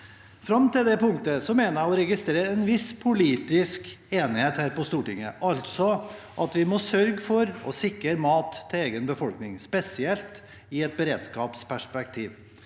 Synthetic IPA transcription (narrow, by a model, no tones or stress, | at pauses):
fɾɑmt̪ɪld̪ɛpʊŋt̪əsɔmeːnəɾjæɪɔɾɛɡɪst̪ɾeːɾəɛnʋɪspʰʊliːt̪ɪskeːnɪheːt̪hæːɾpɔst̪uːʈɪŋːəʔɑlt̪sɔ | ʔɑt̪ʋɪmɔsœɾɡəfɔɾɔ̰sɪkɾəɾmɑːt̪ʰːɪleːɡənbəfɔlknɪŋspɛsɪɛlt̪ | ɪɛt̪̚bəɾeːd̪skɑːpspʰæʂpɛk̚t̪ʰiːʋ